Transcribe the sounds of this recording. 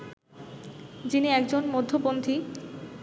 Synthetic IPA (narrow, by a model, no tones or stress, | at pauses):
d͡ʑiniɛk̚d͡ʑonmod̪ʱːobond̪ʰʱi